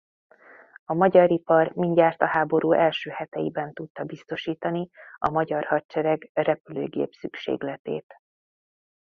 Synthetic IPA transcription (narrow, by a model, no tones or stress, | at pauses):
ɒmɒɟɒɾipɒrmiɲɟaːrt̪ɒɦaːbo̞ɾuːʔɛlʃøːhɛt̪ɛjḭbɛnt̪ut̪ːɒbist̪o̞ʃiːt̪ɒniɒmɒɟɒrhɒtt͡ʃɛɾɛɡrɛpylø̰ːɡḛːpsykʃḛːɡlɛt̪ḛːt̪